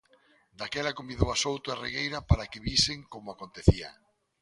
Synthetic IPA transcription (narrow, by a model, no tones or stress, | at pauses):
d̪akɛlakomiðoasowt̪ʊareɣejɾapaɾakɪβisɪŋkomʊakont̪eθiɐ̰